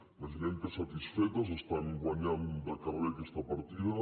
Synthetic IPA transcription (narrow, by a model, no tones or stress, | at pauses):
maʒineŋkesat̪isfɛt̪as̬est̪aŋɡwaɲand̪akaɾβekest̪apaɾt̪iða